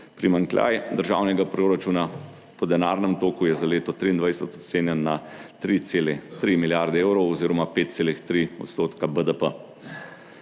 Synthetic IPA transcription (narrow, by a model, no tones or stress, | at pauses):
pɾimaŋklʲa̰jd̪əɾʒa̰ːwnɛɡapɾoːɾat͡ʃuna | pɔd̪ɛnaɾnɛmt̪oːkujɛzaleːt̪ɔt̪ɾiːnd̪ʋajsɛt̪ɔt̪seːnjɛnːat̪ɾit̪selɛt̪ɾimiljaɾd̪ɛewɾɔwɔziːɾɔmapeːt̪̚t̪seːlixt̪ɾiɔ̰t̪st̪oːt̪kabəd̪əpə